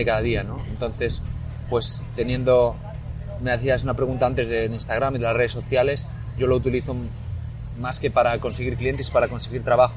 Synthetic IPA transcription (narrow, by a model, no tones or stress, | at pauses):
ekaðaðiano̞e̞nt̪o̞nθe̞s | pwe̞st̪e̞njẽ̞nd̪o̞ | me̞aθiasunapɾe̞ɣunt̪aant̪e̞zðe̞linst̪aɣ̞ɾamiðelasre̞ð̞eso̞θjale̞s | ɟ͡ʝo̞lo̞ut̪iliθo̞ | maske̞paɾako̞nseɣiɾklije̞ne̞si̥paɾako̞nse̞ɣiɾt̪ɾaβax